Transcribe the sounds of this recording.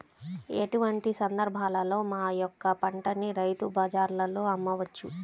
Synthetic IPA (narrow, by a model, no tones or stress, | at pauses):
eʈuʋɐɳʈisɐnd̪ɐɾbʱaːlɐlo̞ːmaːjɔkːɐpɐɳʈɐniɾɐjt̪ubɐd͡ʒaːɾlɐlo̞ːɐmːɐʋɐt͡ʃːu